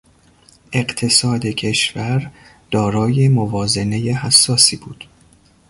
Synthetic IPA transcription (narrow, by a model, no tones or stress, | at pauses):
ʔe̞ɢt̪ʰe̞sɒːd̪ecʰe̞ʃvæɾ | d̪̥ɒːɾɒːjemovɒːze̞ne̞jehæsːɒːsiːbuːd̪̥